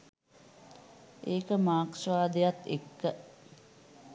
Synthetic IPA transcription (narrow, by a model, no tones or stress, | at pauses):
ʔeːkəmaːksʋaːd̪ejat̪ekːə